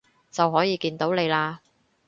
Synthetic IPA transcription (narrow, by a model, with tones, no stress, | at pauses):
t͡sɐ˨wɦɔː˨˥jiː˨˧kiː˧nt̪o˨˥wne˨˧jlaː˧